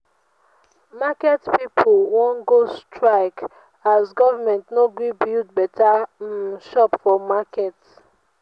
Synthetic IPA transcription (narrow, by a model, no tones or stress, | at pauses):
makɛtpipʰolwɔ̃nɡostʰɹaɪk | azɡɔvamɛ̃ntnoɡubildbɛtʰa | ʃɔpfɔmakɛt